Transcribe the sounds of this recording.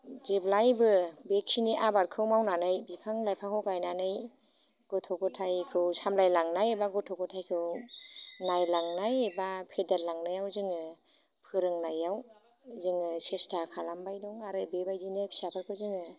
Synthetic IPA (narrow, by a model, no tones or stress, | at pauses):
zeblajbɯbeksiniʔabaɾkʰɯwmawnanɯjbipʰaŋlajpʰaŋhʰɯwkajnanɯj | ɡ̥ɔtʰɔkɔtʰajkʰɯwsamlajlaŋnajebaɡɔtʰɔkɔtʰajkʰɯw | najlaŋnajebapʰedaɾlaŋnajawzɯŋɯ | pʰɯɾɯŋnajaw | zɯŋɯsestʰakʰalambajdɔŋaɾɯbebajzinɯpʰi̥sapʰaɾkʰɯwzɯŋɯ